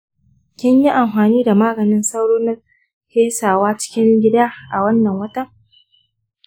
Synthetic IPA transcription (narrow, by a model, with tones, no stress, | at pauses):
kʲɪ˦ɲji˦ʔa˨mɸaː˨niː˦da˨maː˦ɡɐ˨nɪ˦nsɐ˦wɽoː˦na˦ | heː˦saː˨waː˦t͡ʃɪ̥˦kʲɪ˦ŋɡʲɪ˦daː˦ʔa˨wɐ˦nːɐ˨ŋwɐ˦tɐ˦